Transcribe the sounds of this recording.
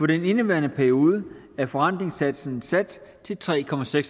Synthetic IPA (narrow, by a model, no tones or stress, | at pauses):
fɒ̽d̥ene̝nəʋæɐnəpʰæɐio̝ːð̞ˠə | æɐfɒ̽an̰d̥ʁeŋsæd̥sn̩sæd̥t͡sʰe̝lt͡sʰʁɛ̰ːkʰɒ̽mæseɡ̥s